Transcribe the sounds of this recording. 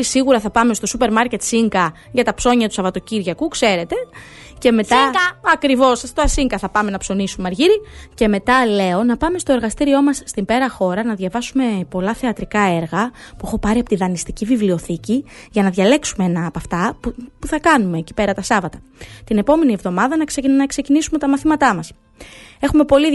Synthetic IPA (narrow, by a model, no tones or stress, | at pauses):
siɣuɾɐθɐpɐme̞st̪o̞supe̞ɾmɐɾce̞t̪siŋɡɐ | ʝɐt̪ɐpso̞ɲɐt̪usɐvɐt̪o̞ciɾʝɐkukse̞ɾe̞t̪e̞ | ce̞me̞t̪ɐɐkɾivo̞sɐst̪oɐsiŋɡɐθɐpɐme̞nɐpso̞nisumeɐɾʝiɾice̞me̞t̪ɐle̞o̞nɐpɐme̞st̪o̞eɾɣɐst̪iɾio̞mɐsːt̪imbe̞ɾɐxo̞ɾɐnɐðʝɐvɐsume̞po̞lɐθe̞ɐt̪ɾikɐe̞ɾɣɐpuexo̞pɐɾiɐpot̪iðɐnist̪icivivlio̞θiciʝɐnɐðʝɐle̞ksumeenɐːpɐft̪ɐpuθɐkɐnume̞ːci̥pe̞ɾɐt̪ɐsɐvɐt̪ɐ̥t̪ine̞po̞me̞nie̞vðo̞mɐðɐnɐksenɐkse̞cinisumet̪ɐmɐθimɐt̪ɐmɐs | e̞xume̞po̞li